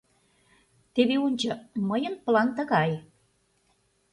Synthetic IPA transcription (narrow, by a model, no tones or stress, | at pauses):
t̪eβeonʲt͡ɕə̆məjənpəlɑnt̪ə̆ɣɑj